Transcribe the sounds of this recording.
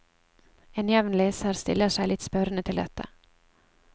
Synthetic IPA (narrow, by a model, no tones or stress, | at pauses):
enjɛvnleːsaɾst̪ɪ̰lːəʂɛɪlɪt̪spœɾnət̪ʰɪld̪ɛt̪ʰːa̰